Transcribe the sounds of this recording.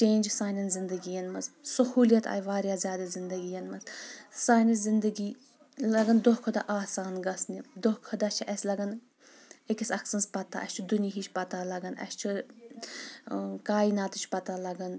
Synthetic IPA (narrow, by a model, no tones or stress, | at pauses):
t͡ʃeːnʲd͡ʒsaːnɐnszind̪ɐɡijɐnmɐzsɐhuːlʲjɐt̪a̰ːjʋaːɾʲjaːzʲjaːd̪ɐzind̪ɐɡijɐnmɐzsaːjnɐnszind̪ɐɡiː | lɐɡɐnd̪oɦkʰɐd̪aʔaːsaːnɡɐsnid̪ohkʰɐd̪at͡ʃʰiʔɐsʲlɐɡɐn | ekʲisʲɐksɐnspɐt̪aʔɐ̰ʃʲt͡ʃʰid̪uniɦit͡ʃʰpɐt̪alɐɡɐnɐ̰st͡ʃʰi | kaːinaːt̪ɨt͡ʃʰpɐt̪aːlɐɡɐn